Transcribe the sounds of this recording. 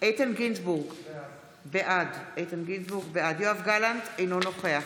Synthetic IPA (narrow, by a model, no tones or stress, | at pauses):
ʔejt̪enɡinsbuʁɡ | beʔadejt̪enɡinsbuʁɡbead̪joavɡalantejnono̞χeaχ